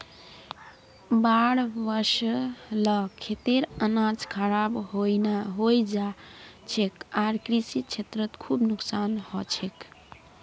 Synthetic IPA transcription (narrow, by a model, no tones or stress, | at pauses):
baɽbəɾʃləkʰet̪eɾənãd͡ʒkʰəɾabɦojnaɦojd͡ʒat͡ʃʰekaɾkɾisit͡ʃʰet̪ɾət̪kʰubnuksanhɔt͡ʃʰek